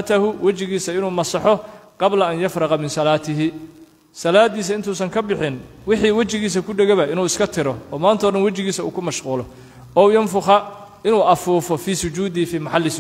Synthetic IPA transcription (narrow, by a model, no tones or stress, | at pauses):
t̪ʰɐɦʊwɐt͡ʃɪɣiːsɐɪnuːmɐsɑħɔqɑblɐɐnjɐfɾɑqɑmɪnsɐlaːt̪ʰɪɦɪ | sɐlaːd̪iːs̬ɐɪnt̪ʰuːsɐŋkʰɐbɪħɪn | wɪħiːwɐt͡ʃɪɣiːs̬ɐkʰʊɖɛɣɛβɐʔɪnuːɪskʰɐt̪ʰɪɾɔɔːmaːnt̪ʰɔːɖɐnwɐt͡ʃɪɣiːsɐṵːkʰʊmɐʃquːlɔ | ɔːjɐnfʊχɐ | ɪnuːʔɐfuːfɔfiːsʊt͡ʃuːd̪ɪfiːmɑħɑlːɪs